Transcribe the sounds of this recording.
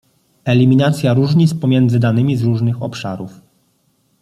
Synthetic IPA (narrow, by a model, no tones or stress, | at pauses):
ɛlʲimʲinat̪sʲjaɾuʐɲit̪spɔmʲjɛnd̪zɘd̪anɘmʲizɾuʐnɘxɔ̰pʂa̰ɾuf